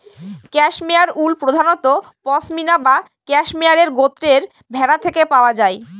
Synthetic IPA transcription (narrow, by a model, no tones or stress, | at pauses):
kɛʃmeaɾulpɾod̪ʱanot̪opɔsminaba | kɛʃmeaɾeɾɡot̪ːɾeɾ | bʱɛɾat̪ʰekepaoad͡ʑae